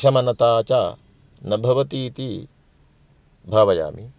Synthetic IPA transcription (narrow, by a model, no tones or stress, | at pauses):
ʃɐmɐnɐt̪aːt͡ʃaː | nɐbʱɐʋɐt̪iːt̪i | bʱaːʋɐja̰ːmḭ